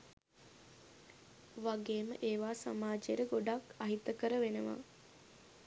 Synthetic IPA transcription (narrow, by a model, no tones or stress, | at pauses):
ʋaɡeːmə̰ʔeːʋaːsa̰maːd͡ʒeəɾəɡoɖakaɦit̪əkəɾəʋenəʋa̰